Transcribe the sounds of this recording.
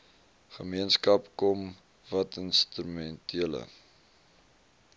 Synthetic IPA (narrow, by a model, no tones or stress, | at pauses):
χəmiənskɐpkɔm | vɐtənstrymɛntʰiələ̰